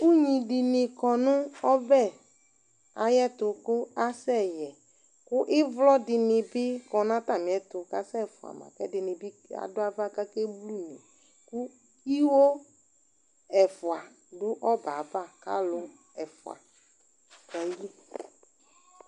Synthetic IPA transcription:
u˦ɲĩ˨ɖɪ˨nɪ̃˨kɔ˨nʊ̃˦ɔ˦bɛ˦˨ | a˨jɛ˦t̪ʊ˨kʊ˦a˦sɛ˦˨jɛ˨ | kʊ˦ʔɪ˦vlɔ˦dɪ˨nɪ̃˨bɪ˦kɔ˨nã˦t̪a˨mĩ˨ɛ˦t̪ʊ˨ka˦sɛ˦˨fʊ˨a̰˨ma̰˨kɛ̰˦dɪ˨nɪ̃˨bɪ˦a̰˨dʊ˦a˦va˦ka˦kɛ˦blu˦˨nĩ˨ | ku˦ | i˦wo˦ | ɛ˨fʊ˨a˨ | dʊ˦ʔɔ˦ba˨ba˦˨ka̰˦lʊ˨ | ɛ˨fʊ̰˨a̰˨ | ɛ˨ji˦

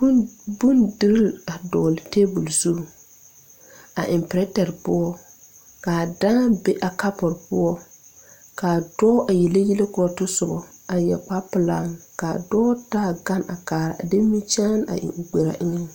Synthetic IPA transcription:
bu˦ndɪ˨ɾɪ˦la˨dɔː˨lte˦bu˨lsu˦˨ | a˨ʔɪ˨mpɪ˨ɾɛ˦tɛ˨ɾpʊ˦ɔ˦ | kaː˨daː˦nbe˦ʔa˨ka˦pɔ˨ɾpʊ˦ɔ˦ | kaː˨dɔː˦ʔa˨jɛ˨le˦ji˦le˦kʊ˦ɔ˦tʊ˦sʊ˨bɔ˨a˨jɛ˨k͡pa˦pɨ˨la˦ŋkaː˨dɔː˦taː˦˨ɡa˦na˨kaː˨ɾa̰˨de˦mi˦t͡ʃaː˦na̰˨ʔɪ̰˨ʊ˨ɡ͡bɛ˨ɾa̰˨ʔɪ˦ŋɛ˦

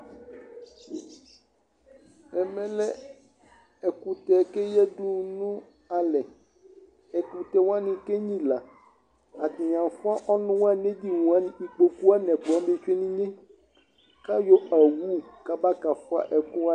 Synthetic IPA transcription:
ɛ˨mɛ̃˦lɛ˦ | ɛ˨ku˨t̪ɛ˨ke˦jɛ˦ɖu˦nũ˦ | a˨lɛ˨ | ɛ˨ku˨t̪ɛ˨w̃a˦nĩ˨ke˦ɲĩ˦la˨ | a˨t̪i˨ɲ˨ã˨fu˦a˦ʔɔ˦nũ˦wa˦nẽ˦d̪i˦wũ˨a˦nĩ˨i˨k͡po˨ku˦a˦nɛ̃˨k͡po˨a˦be˦t͡ʃe˦nĩ˦ɲẽ˦ | ka˦jo˦a˨wu˦ka˦ba˦ka˨fɔ˦a̰˦ʔɛ˨ku˦a˦

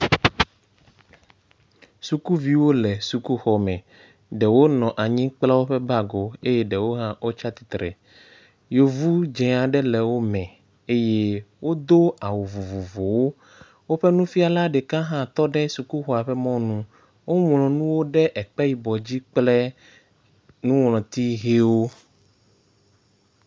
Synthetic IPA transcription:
su˨ku˦vi˦wo˦lɛ˨su˨ku˦xɔ˨mɛ̃˨ | ɖɛ˨wo˦nɔ̃˨ʔa˨ɲĩ˦k͡pla˦wo˦ɸɛ˦ba˦ɡo˨e˦jɛ˦ɖɛ˨wo˦ɦã˦wo˦t͡ʃa˦t̪i̥˨t̪ɾɛ̰˨ | jo˨vu˦d͡ʒɛ̃˨a˨ɖɛ˦lɛ˨wo˦mɛ̃˨ | e˦je˦wo˦d̪o˦a˨wo˨vu˨vu˨vo˨wo˦ | wo˦ɸɛ˦nũ˦fi˦a˨la˦ɖɛ˨kã˦ɦã˦˨t̪ɔ˦ɖɛ˦su˨ku˦xɔ˨a˨ɸɛ˦mɔ̃˦nũ˦ | wo˦mlɔ̃˨nũ˦wo˦ɖɛ˦ʔɛ˨k͡pɛ˦ji˨bɔ˨d͡ʑi˦k͡plɛ˦ | nũ˦wlɔ̃˨t̪i˦ɦe˦wo˦

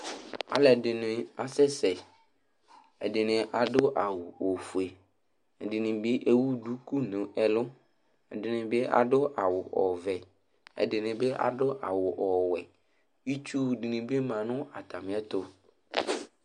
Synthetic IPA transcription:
a̰˨lɛ˨dɪ˨nɪ̃˨a˨sɛ˦sɛ˨ | ɛ˨dɪ˨nɪ̃˨ʔa˨dʊ˦ʔa˨wu˨o˨fu˨e˨ | ɛ˨dɪ˨nɪ̃˨bɪ˦ʔe˦wu˦du˦ku˦nʊ̃˨ʔɛ˨lʊ˦ | ɛ̰˨dɪ˨nɪ̃˨bɪ˦ʔa̰˨dʊ˦ʔa˨wʊ˨ʔɔ˨vɛ˨ | ɛ̰˨dɪ˨nɪ̃˨bɪ˦ʔa̰˨ɖʊ˦ʔa˨wʊ˨ʔɔ˨wɛ˨ | i˦t͡ʃu˦dɪ˨nɪ̃˨bɪ˦mã˨nʊ̃˦a˨t̪a˨mɪ̃˨˦ɛ˦t̪o˦

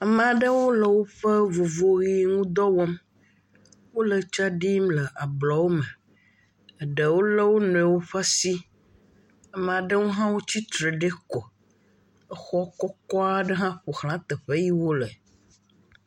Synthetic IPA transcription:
a˨m̃˨a˨ɖə˦wo˦lə˨wo˦ɸə˦vo˨vo˨ɣi˦ŋũ˦d̪ɔ˦wɔ˦m | wo˦lə˨t͡ʃa˦ɖi˦mlə˨ʔa˨blɔ˨wo˦mə˨ | ə˨ɖə˨wo˦lə˦wo˦nɔ̃˨ɛ˨wo˦ɸa˦si˦ | a˨m̃˨a˨ɖə˦ŋo˦ɦã˦wo˦t͡ɕi˦t̪ɾə˨ɖe˦kɔ˨ | ə˦xɔ˦kɔ˦kɔ˦a˦ɖə˦ɦã˦ɸo˨xlã˦t̪ə˨ɸə˦ji˦wo˦lə˨

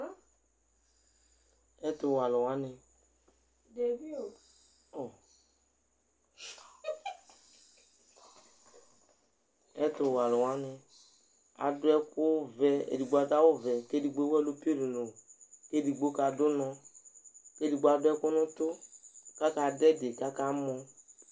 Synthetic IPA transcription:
ɛ˦t̪ʊ˨wa˨lʊ˨wa˨˦nɪ̃˨ | de˨vi˦o˨ | ɔ˨ | ɛ˦t̪ʊ˨wa˨lʊ˨wa˦nɪ˨ | a̰˨dʊ˦ɛ˦kʊ˦vɛ˨ḛ˨di˨ɡ͡ba˨ta˦wo˦vɛ˨ke˦di˨ɡ͡bo˦wɛ˦˨lo˦pi˦e˦do˨nõ˨ke˦di˨ɡ͡bo˦ka˨dʊ˦nɔ̃˨ | ke˦di˨ɡ͡bo˦a˨dʊ˦ɛ˦kʊ˦nʊ̃˦t̪o˦ka˦ka˨dɛ˦de˨ka˦ka˦mɔ̃˧

